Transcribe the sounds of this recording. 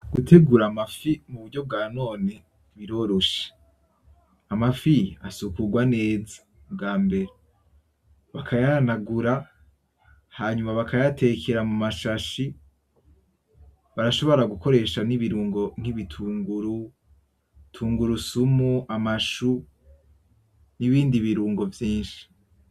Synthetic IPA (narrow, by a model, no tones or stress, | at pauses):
ɡ̥utʰe̞ɡuɾamafimuβuɾɟo̞b̚ɡaːno̞ːne | βiɾo̞ɾoʃe̥ | amafijasukuɡwane̞ːzḁ | bɡaːmbe̞ɾe | βakʰajanaɡuɾa | haːɲumaβakʰajatʰe̞ːkʰeɾamumaʃaʃi | βaɾaʃo̞βo̞ɾaɡuko̞ɾe̞ʃaniβiɾuːŋɡo̞n̥hiβitʰuːŋɡuɾu | tʰuːŋɡuɾusumuʔamaʃu | niβiːndiβiɾuːŋɡo̞vjiːnʃi̥